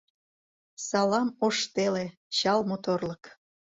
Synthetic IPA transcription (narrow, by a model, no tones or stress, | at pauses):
sɑlɑmoʃt̪ele | ɕɑlmot̪orlək